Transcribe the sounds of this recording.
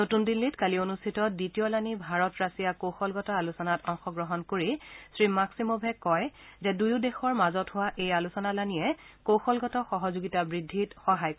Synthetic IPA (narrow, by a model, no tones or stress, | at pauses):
notundilːitkalionustʰitɔditijɔlanibʱaɹɔtɹasijakoxɔlɡɔtɔalusɔnatɔŋxɔɡɹɔɦɔnkoɹisɹimaksimobʱɛkɔjzɛdujʊdɛxɔɹmazɔtɦʊwaʔejalusɔnalaniɛkoxɔlɡɔtɔxɔɦɔzuɡitabɹidʱːitxɔɦajk